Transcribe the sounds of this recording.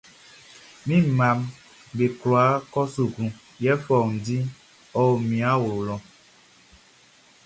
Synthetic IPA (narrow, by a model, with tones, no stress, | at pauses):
mĩ˦˨mã˨m | be˨klɔ˨a˨˦kɔ˦so˨ɡũ˨ | jɛ˦fɔ˨ŋ̩˨di˦ | ɔ˨o˨mĩ˨a˦wo˨lɔ˨